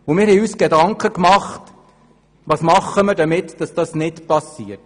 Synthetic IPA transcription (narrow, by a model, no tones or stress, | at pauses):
ʊmɪːɾhɛjyːsɡ̥edɑŋkχəkmɑχt | ʋɑːsmɑχːəmɪɾdəmɪtd̥ɑsd̥ɑsnɪtpɑsiːət